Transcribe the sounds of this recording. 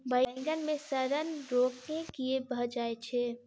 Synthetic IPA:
bəɪŋɡənmẽsəɾənɾoːknekiebʱəd͡ʒaːet͡ʃʰe

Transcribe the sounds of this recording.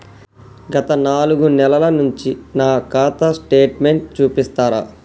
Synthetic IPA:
ɡɐt̪ɐnaːluɡunɛlɐlɐnuɲt͡ʃinaːkaːt̪ɐsʈe̞ːʈme̞ɳʈ̚t͡ʃuːpist̪aːɾa̰ː

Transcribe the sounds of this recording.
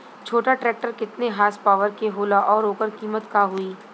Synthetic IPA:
t͡ʃʰoːʈaʈɾɛːk̚ʈəɾkɪt̪neɦaːspaːʋəɾkeɦoːlaʔɔːɾoːkəɾkiːmət̪kaɦʊiː

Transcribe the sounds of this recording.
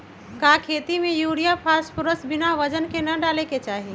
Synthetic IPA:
kakʰet̪imejuɽijapʰaspʊɾəsbɪnaʋəd͡ʒənkenəɖaleket͡ʃaːɦi

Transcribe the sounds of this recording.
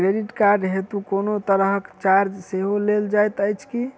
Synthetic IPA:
ɾeɾiʈkaɾɖɦet̪ukonot̪əɾəɦkt͡ʃaɾd͡ʒseɦoleld͡ʒajt̪əjt͡ʃʰki

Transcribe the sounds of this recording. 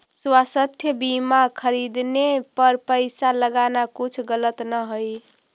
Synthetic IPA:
swasət̪ʰjəbimakʰəɾid̪nepəɾpəjsaləɡanakut͡ʃʰɡələt̪nəɦoj

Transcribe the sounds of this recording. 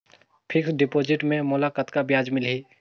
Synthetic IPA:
pʰɪksɖɪpoːd͡ʒɪʈmẽmʊlakət̪kabjaːd͡ʒmɪlɦiː

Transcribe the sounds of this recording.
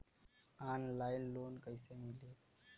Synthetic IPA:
anlajnlonkəjsemile

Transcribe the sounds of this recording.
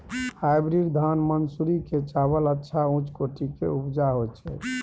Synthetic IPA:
hajbɾiɾd̪ʱanmənsuɾiket͡ʃabələtːʃʰaũt͡ʃkoʈikḛupd͡ʒaɦot͡ʃʰɛ

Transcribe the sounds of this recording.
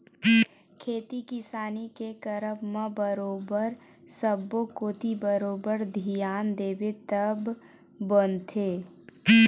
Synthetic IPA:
kʰeːt̪ikɪsaːnikekəɾəpmãbəɾoːbəɾ | səbːokoːt̪ibəɾoːbəɾd̪ʱijaːnd̪eːbet̪əbː | ont̪ʰeː

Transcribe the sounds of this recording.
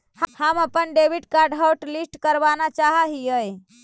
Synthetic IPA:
həməpənɖebiɖkaɾɖɦəwʈlisʈkəɾbanat͡ʃaɦəɦiəj

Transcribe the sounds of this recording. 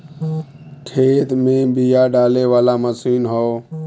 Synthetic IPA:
kʰeːt̪mẽbijaɖaːleʋaːlaməsiːnɦɔː

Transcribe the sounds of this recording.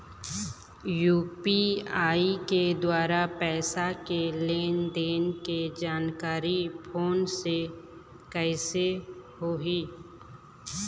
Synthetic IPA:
juːpiaːiked̪waːɾapɛːsakeleːnd̪eːnked͡ʒaːnkaːɾipʰoːnse | kɛːsehoːɦiː

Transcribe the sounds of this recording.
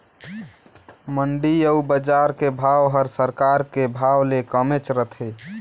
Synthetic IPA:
məɳɖiəubəd͡ʒaɾkebʱawɦəɾsəɾkaɾkebʱawlekəmet͡ʃɾət̪ʰe

